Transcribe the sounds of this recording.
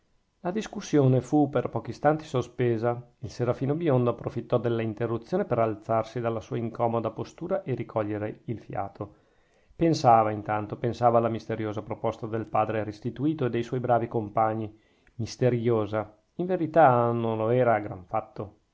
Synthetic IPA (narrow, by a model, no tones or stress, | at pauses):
lad̪iskusːjoːnefuperpɔːk̟ist̪ant̪i̥sospeːzailseɾafiːnobjond̪oapːɾofit̪ːɔd̪elːaint̪erːut̪sːjoːnepeɾalt̪sarsid̪alːasuːaiŋkʰɔːmod̪apost̪uːɾaʔerikʰɔʎːeɾeilfja̰ːt̪ʰo | pensaːvaint̪ant̪opensaːvaːlːamist̪eɾjoːzapɾopɔst̪ad̪elpaːd̪ɾeɾest̪it̪uiːt̪oed̪ːejswɔjbɾaːvikompaɲːi | mist̪eɾjoːza | iɱveɾit̪anonloɛːɾaɡɾa̰ɱfat̪ːo